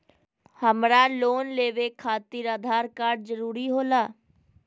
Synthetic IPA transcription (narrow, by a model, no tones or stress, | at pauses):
həmɾaːloːnleːʋeːkʰaːt̪iːɾaːd̪ʱaːɾkaːɾɖzəɾuːɾiːɦoːlaː